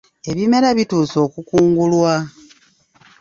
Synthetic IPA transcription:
e̞βime̞ɾaβituːso̞ːkukuːŋɡulwa

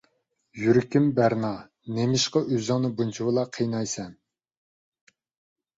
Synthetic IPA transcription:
jyɾɪkʲimbæɾnɑ | nemɪʃqɑʔøzɨŋnɨbunt͡ʃʰiwɨlˠɑqʰejnɑjsɛn

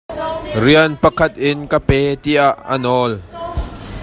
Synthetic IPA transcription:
riənpɐkʰɐt̪̚ʔɪnkapɛːt̪iʔaʔːɐ̰nɔl

